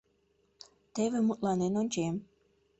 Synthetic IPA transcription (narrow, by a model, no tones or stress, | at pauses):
t̪eβʲĕmut̪lɑnenonʲt͡ɕem